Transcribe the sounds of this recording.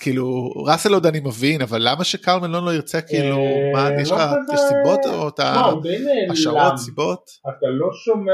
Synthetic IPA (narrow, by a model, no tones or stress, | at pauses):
kʰiːluʁaselod̪animevinavalːamaʃekaʁlmenlonloiʁt͡sekiiːlumajɛʃaasibo̞oat̪adeneʃaosibo̞t | at̪aloʃome